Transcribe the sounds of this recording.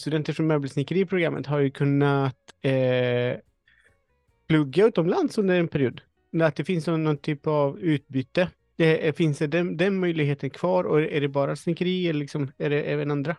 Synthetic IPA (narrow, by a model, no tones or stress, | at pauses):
st̪ɵd̪ɛnt̪əʂɔmːœːbəlsnɪkəɾiːpʰɾʊɡɾamːə̰t̪ɦaɾjɵkʰɵnːat̪ɛ | pʰlɵɡːaʉ̟ːt̪ɔmland̪sɵnd̪əɾɛnpʰɛɾɪuːd̪ | at̪̚d̪ɛfɪnsɔnːɔnt̪ʰyːpavʉ̟ːt̪̚byːt̪ːə | ɛfɪnsɛɖɛd̪ɛnmœjlɪɡɦeːt̪ənkʰv̥ɑːɾɔæɖɛbɑːɾasnɪkəɾiːɛləɭlɪksɔmæɖɛʔɛvənand̪ɾa